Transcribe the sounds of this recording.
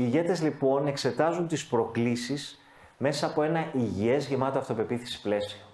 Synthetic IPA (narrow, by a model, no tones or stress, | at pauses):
iːʝe̞t̪e̞zlipo̞ne̞kse̞t̪ɐzunt̪ispɾo̞klisis | me̞sɐːpo̞e̞nɐʔiʝie̞zʝemɐt̪oɐft̪ope̞piθi̥si̥ple̞sio